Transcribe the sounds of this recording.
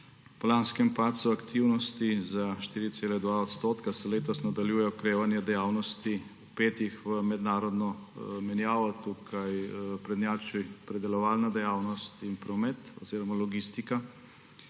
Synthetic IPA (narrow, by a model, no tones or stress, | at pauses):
pɔlanskɛmpat̪suakt̪ʰiwnɔst̪izaʃt̪iːɾit̪seːlɛd̪ʋaɔt̪st̪oːt̪kasɛleːt̪ɔsnad̪aljuːjɛɔkɾeːʋanjɛd̪ɛjaːwnɔst̪i | upeːt̪ixʋəmɛd̪naːɾɔd̪nɔmɛnjaːʋɔt̪ukʰajpɾɛd̪njaːt͡ʃipɾɛd̪ɛlɔʋalnad̪ɛjaːwnɔst̪inpɾɔmɛt̪ɔ̰ziːɾɔmalɔɡist̪ika